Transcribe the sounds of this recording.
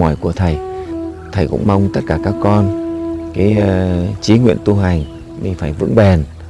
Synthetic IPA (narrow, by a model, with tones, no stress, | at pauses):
ɔ˧˩jku˧˩ət̪ʰə˨˩jt̪ʰə˨˩jkʊ̰˧˥ŋ͡mma˧wŋ͡mt̪ə˦˥t̚kaː˧˩kaː˦˥kːɔ˧nkaː˨˦jt͡ɕi˨˦ŋwḭ˧˨ənt̪u˧ɦa˨˩jŋ̟ | mi˨˩faː˧˩jvɨ̰˧˥ŋɓe˨˩n